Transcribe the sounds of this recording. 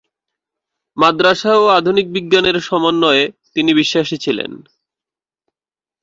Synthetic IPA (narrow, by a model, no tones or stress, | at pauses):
mad̪ɾaʃaoad̪ʱunik̚biɡːaneɾʃɔmonːɔeet̪iniβiʃːaʃit͡ɕʰilḛn